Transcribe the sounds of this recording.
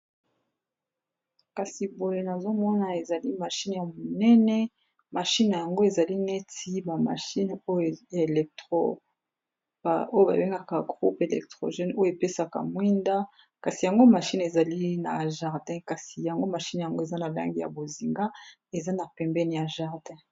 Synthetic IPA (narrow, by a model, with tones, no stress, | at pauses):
ka˨si˨bo˨le˨na˨zo˦mɔ˦na˨e˨za˨li˦ma˨ʃi˦nja˨mo˨nɛ˦nɛ˦ | ma˨ʃi˦n˨ja˨ŋɡo˦e˨za˨li˦nɛ˦ti˦ba˨ma̰˨ʃi˦no˦jja˨e˨lɛ˨k̚tʁo˦ | ba˨o˦jo˦ba̰˨be˦ŋɡa˦ka˨ɡʁu˦pe˨lɛ̰˨k̚tʁo̰˨ʒɛ˦no˦jo˨e˨pe˦sa˨ka̰˨mwi˦nda˦ | ka˨si˨ja˨ŋɡo˦ma˨ʃi˦ne˨za˨li˦na˨ʒa˨ʁdɛ̃˦ka˨si˨ja˨ŋɡo˦ma˨ʃi˦nja˨ŋɡo˦e˨za˦na˨la̰˦ŋɡi˦ja̰˨bo˨zi˨ŋɡa˦ | e˨za˦na˨pɛ˨mbɛ˦n˨ja˨ʒa˨ʁdɛ̃˦